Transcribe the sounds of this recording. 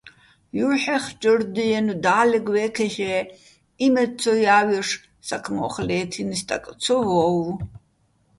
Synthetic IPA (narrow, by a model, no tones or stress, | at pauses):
juɾħɛχd͡ʒərd̪ijɛnud̪aːlɛɡwɛːkʰɛχɛ | imɛt͡sʰɔjaːwiʂ | sakʰmɔχlɛːt̪ʰinist̪ʼa̰kʼt͡sʰɔvɔːw